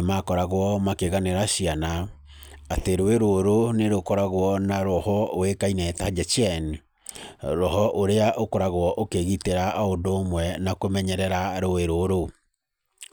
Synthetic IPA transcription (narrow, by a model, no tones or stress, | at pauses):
makɔɾaɣwɔmakeɣaneɾaɕianaː | teɾoeɾooɾoneɾokoɾaɣwɔnaɾɔhɔowekainɛːtad͡ʒɛt͡ʃɛni | ɾɔhɔʔoɾeaʔokoɾaɣwɔʔokeɣiteɾaʔondoːmwɛnakomɛɲɛɾɛɾaɾoeɾoɾo